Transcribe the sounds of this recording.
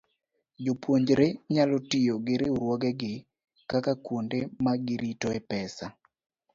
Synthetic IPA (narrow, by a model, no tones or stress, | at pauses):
d͡ʒopwoɲd͡ʒɾeɲalɔtijoɡeɾeuɾwɔɡɛɡɪ | kakakwondemaɡɪɾitɔɛpɛsa